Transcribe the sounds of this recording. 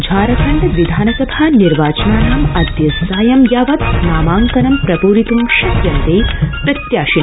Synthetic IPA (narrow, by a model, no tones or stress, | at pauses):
d͡ʒʱaːɾɐkʰɐɳɖɐʋid̪ʱaːnɐkɐbʱaːniɾʋaːt͡ʃɐnaːnaːmɐd̪jɐsaːjɐmjaːʋɐt̪naːmaːŋkɐnɐmpɾɐpuːɾit̪umʃɐkjɐnt̪eːpɾɐt̪jaːʃin